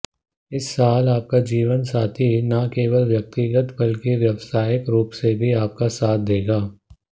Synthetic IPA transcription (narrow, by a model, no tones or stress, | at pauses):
ɪsːaːlaːp̚kad͡ʒiːʋənsaːt̪ʰinakeːʋəlʋjɐk̚t̪ɪɡət̪bɐlkeʋjɐʋsaːjɪkɾuːpsebʱiaːp̚kasaːt̪̚ʰd̪eːɡaː